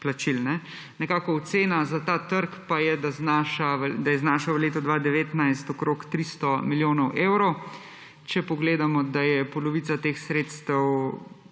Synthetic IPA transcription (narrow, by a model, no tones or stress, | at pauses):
plat͡ʃilnɛ | nɛkaːkɔɔt̪seːnazat̪aːt̪əɾkpajɛd̪aznaʃaʋəd̪ajɛznaːʃaʋəleːt̪ɔd̪ʋad̪ɛʋeːt̪najst̪ɔkɾokt̪ɾist̪ɔmiljoːnɔwʔewɾɔw | t͡ʃɛpɔɡleːd̪amɔd̪ajɛpɔlɔʋiːt͡s̪at̪eːxsɾeːt̪st̪əw